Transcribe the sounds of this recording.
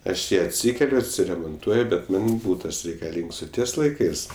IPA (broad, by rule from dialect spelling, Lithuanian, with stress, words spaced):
ˈɐʃ ˈjiː ɐtʲˈsʲiːkʲɛlʲʊ ɐtʲsʲɪrʲɛmoːnˈtuɔjʊ bʲɛt ˈmɐnʲ ˈbuːtɐs rʲɛɪkɐˈlʲiːŋks ˈoː ˈtʲiɛs lˠɐɪˈkɜs